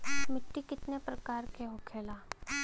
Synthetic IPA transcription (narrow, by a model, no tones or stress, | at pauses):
mɪʈːikɪt̪nepɾɐkaːɾkeɦokʰeːlaː